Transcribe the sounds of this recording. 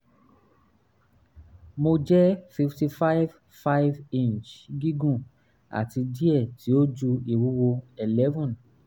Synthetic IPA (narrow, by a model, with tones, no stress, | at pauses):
mo˧d͡ʒɛ˦fi˧fti˧fa˦jv | fa˦jvĩ˦˨nt͡ʃɡi˦ɡũ˦˨ | a̰˨ti˧di˦ɛ˦˨ti˨˦o˦d͡ʒu˧i˨ɾu˦wo˧ɛ˨lɛ˦vɔ̃˦˨n